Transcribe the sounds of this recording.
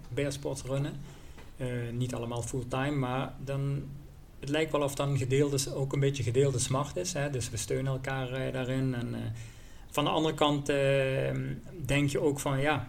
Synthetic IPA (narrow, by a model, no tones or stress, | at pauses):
bɛɹspɔɹtrønə | ənitɑlˠəmaːlˠfulˠtɑjmːaːɹdɑn | ətlɛjk̚tʋɛlˠɔfdɑtənɣədɪːlˠdəowkənbetjəɣədɪːlˠdəsmɑɹtɪsɦɛdɵsʋəstøːnənɛlˠkaːɹdaːrɪnɛn | v̥ɑndəɑ̰ndərəkɑntə | dɛŋkjəowkfɑnjaː